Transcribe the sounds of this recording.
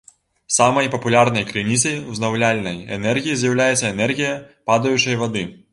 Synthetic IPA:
samɐjpɐpulʲarnɐjkɾɨnʲisɐjuznɐwlʲalʲnɐjɛ̰nɛrɣʲijizʲjɐwlʲajɛt̪sʲːɐɛnɛrɣʲijɐpad̪ɐjut͡ʂɐjvɐd̪ɨ

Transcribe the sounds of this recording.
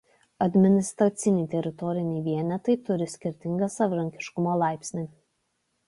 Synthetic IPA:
ɐd̪ʲmʲɪnʲɪst̪ɾɐt̪sʲɪnʲɛɪt̪ʲɛɾʲɪt̪ɔɾʲɪnʲɛɪʋʲiɛnʲɛt̪ɐɪt̪ʊɾʲɪsʲkʲɪɾʲt̪ʲɪŋɡɐsɐʋʲɪɾɐŋʲkʲɪ̥ʃkʊmoːlˠɑˑɪpʲsʲnʲɪ

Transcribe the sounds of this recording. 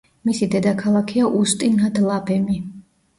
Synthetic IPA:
misid̪ɛd̪akʰalˠakʰɛaʔust̪ʼinad̪lˠapʰɛmi

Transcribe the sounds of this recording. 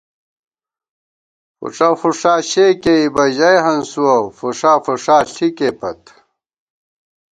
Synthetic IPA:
fṵʈ͡ʂafuʂaːɕekeibɐʑɐjɦɐnsuwɐfuʂaːfuʂaːɬʰikepɐt̪

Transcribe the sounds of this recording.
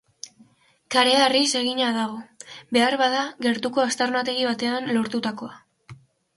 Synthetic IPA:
kaɾe̞arise̞ɣ̞iɲaðaɣo̞be̞aɾβaðaɣe̞ɾt̪uko̞ast̪aɾnat̪e̞ɣiβat̪e̞anlo̞ɾt̪ut̪ako̞a

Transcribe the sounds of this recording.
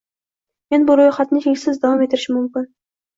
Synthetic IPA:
menbʊɾojχɑt̪nɪt̪ʰeŋsɪzd̪ɑvɑmet̪ʰːɪɾɪʃɪmʊmkʲɪn

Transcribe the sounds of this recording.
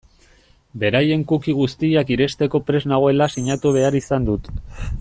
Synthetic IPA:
be̞ɾaje̞ŋkukiɣust̪iakiɾe̞st̪e̞ko̞pɾe̞znaɣ̞oe̞lasiɲat̪uβ̞e̞aɾisand̪ut̪

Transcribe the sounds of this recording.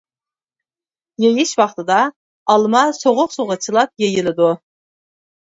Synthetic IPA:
jejɪʃwɑχt̪ɨd̪ɑ | ɑlˠmɑsoʁʊqsoʁət͡ʃʰɨlˠɑp̚jejɪlɪd̪u

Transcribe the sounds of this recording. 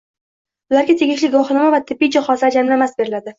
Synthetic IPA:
ʊlaɾɡʲat̪ʰe̞ɡʲɪʃlɪɡɒχɨnɪmavat̪ʰɪbːɪd͡ʒɒχɒsɪad͡ʒamlamasbe̞ɾɪlad̪ɪ

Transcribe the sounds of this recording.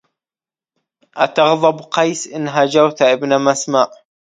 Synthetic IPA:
ʔat̪ɑɣðˤɑbqɑjsʔɪnːɦad͡ʒawt̪aʔɪbnamasmaːʔ

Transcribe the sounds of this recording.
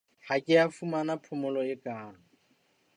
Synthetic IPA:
hakʼɪafumanapʰʊmʊlɔɪkʼaːŋ̩

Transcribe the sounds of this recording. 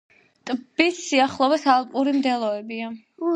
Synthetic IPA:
t̪ʼb̥isːiaχlˠɔbɛsalˠpʼuɾimd̪ɛlˠɔɛbia

